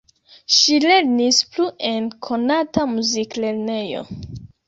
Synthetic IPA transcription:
ʃile̞ɾnispluʔe̞nkʰo̞natamuzikle̞ɾne̞jo̞̰

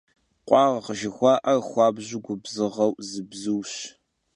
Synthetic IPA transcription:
qʷʼɑːʁɐʁəʒɪxʷɑːʔɐxʷɑːbʑɪɡʷʊbzɨʁɐwzɨbzɨwɕ

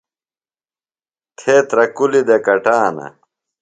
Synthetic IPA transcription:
kʰeːt̪ɾɐkulid̪ekɐʈaːnɐ̰

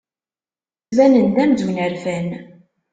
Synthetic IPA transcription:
svænənd̪æmd̪unəɾfæn

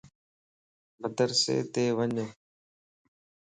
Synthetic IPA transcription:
məd̪əɾsḛːt̪eːʋəɲə

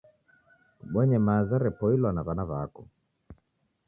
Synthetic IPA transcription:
ɓwɛɲɛmazaɾɛpɔilwanaβanaβakɔ

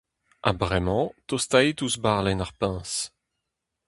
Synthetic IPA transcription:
ʔa̰bʁɛmɑ̃t̪ost̪at̪usbaʁlɛnaʁpɛ̃s

